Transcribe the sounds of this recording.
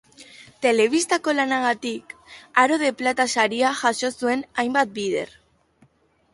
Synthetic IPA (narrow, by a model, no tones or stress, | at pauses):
t̪e̞le̞βist̪ako̞lanaɣ̞at̪ikaɾo̞ð̞e̞plat̪asaɾiaʝaso̞sue̞najmbat̪̚biðe̞̰r